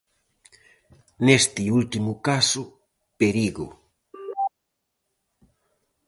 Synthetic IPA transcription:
nest̪iult̪imʊkasʊ | peɾiɣʊ̰

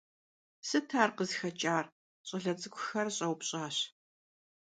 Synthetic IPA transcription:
sɨtʰaːrqəzxɐt͡ʃʼaːr | ɕʼɐɮɐt͡sʼɨkʷʰʊxɐrɕʼɐwpɕʼaːɕ

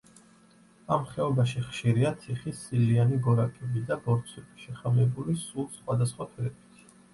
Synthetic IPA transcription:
amχɛɔbaʃiχʃiɾiat̪sʰiχisilianiɡɔɾakʼɛbid̪abɔɾt̪sʰɛbi̥ʃɛχamɛbulisulˠsχwad̪asχwat̪ʰwɛlɛbʰit̪ʰ

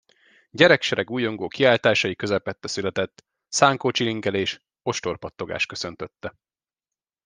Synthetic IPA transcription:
ɟɛɾɛkʃɛɾɛɡuːjo̞ŋɡoːkiaːlt̪aːʃɒjikøzɛpɛt̪ːɛsylɛt̪ɛt̪ː | saːŋkoːt͡ʃiliŋɡɛleːʃ | o̞ʃt̪o̞rpɒt̪ːo̞ɡa̰ːʃkø̞sø̞nt̪øt̪ːɛ

